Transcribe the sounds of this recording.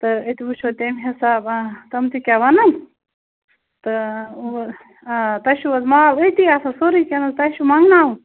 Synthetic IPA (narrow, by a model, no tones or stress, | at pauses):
t̪ɨet̪ibut͡ʃʰot̪ʲemɦɐsaːbt̪ɐmt̪ikʲaʋɐnɐn | t̪ɨ | t̪ɐʃuɐzmaːlət̪iaːsɐsoɾikʲɐnɐzt̪ɐʃumɐŋɡnaːwu